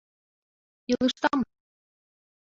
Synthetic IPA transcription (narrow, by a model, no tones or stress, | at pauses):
jɤ̆lˠɯʃt̪ɑm